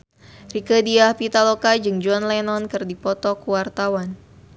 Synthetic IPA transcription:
rikədiahpit̪alokad͡ʒɨŋd͡ʒuɔnlɛnɔnkɨrdipɔt̪ɔkuwart̪awan

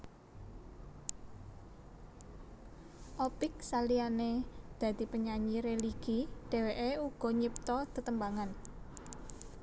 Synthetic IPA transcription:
ʔɔpɪksalianed̪̥ä̤t̪i̤pəɲaɲiɾeliɡ̥iɖ̥e̤weʔeuɡ̥ɔ̤ɲip̚t̪ɔd̪̥ət̪əmbaŋan

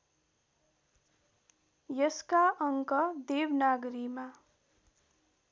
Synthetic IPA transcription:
jʌskaʌŋkʌd̪ebnaɡɾima

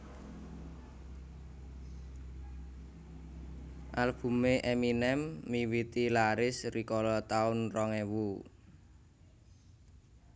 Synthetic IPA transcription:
ʔalb̥ṳmeʔeminɛmːiwit̪ilaɾɪsrikɔlɔt̪aʊnrɔŋewu

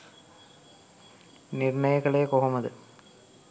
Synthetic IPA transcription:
nɪɾɳɐjɐɣɐɭeːkoɦɐmɐðɯ

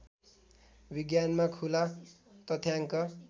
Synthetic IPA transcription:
biɡjanmakʰula | t̪ʌt̪ʰjaŋkʌ

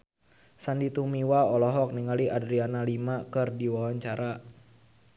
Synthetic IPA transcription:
sandit̪umiwaɔlɔɦɔk̚niŋaliʔadɾianalimakɨrdiwawaɲt͡ʃaɾa

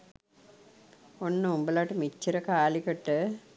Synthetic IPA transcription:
onːɨumbɐlaːʈːɯmit͡ʃːiɾɐkaːlikɐʈːɨ

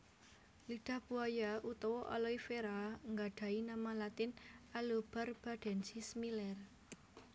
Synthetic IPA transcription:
liɖ̪̥a̤hb̥uajaut̪ɔwɔʔɔ̰lɔifeɾaŋɡaɖ̥a̤inamalat̪ɪnalob̥arb̥a̤ɖ̥ɛ̤nt͡ʃismilɛr

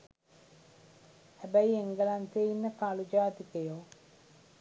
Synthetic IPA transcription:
hæbæieŋɡəlant̪einːəkalud͡ʒaːt̪ikəjo

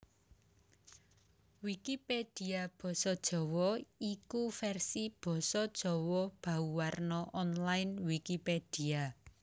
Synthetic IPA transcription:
wikiped̥i̤ab̥ɔ̤sɔd̥ʒ̥ɔ̤wɔikufɛrsib̥ɔ̤sɔd̥ʒ̥ɔ̤wɔb̥a̤uwarnɔʔɔnlajnwikiped̥ia

